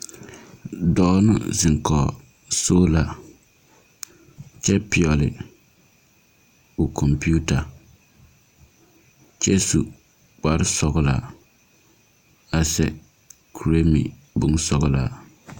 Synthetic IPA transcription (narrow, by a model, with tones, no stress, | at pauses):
dɔː˦nʊ̰˦zɪ˨ŋ˨kɔ˨ | soː˦la˦ | t͡ʃɛ˦pɪ˨ɔ˨lɪ̰˨ | o˨kʰɔ˨mpi˦u˦ta˨ | t͡ʃɛ˦su˨ | k͡pa˦ɾɪ˦sɔ˦ɣʊ˦la˨ | a˨sɛ̰˦ | kʰu˨ɾe˦mḭ˨ | bʊ˦ŋ˦sɔ˦ɣʊ˦la̰˨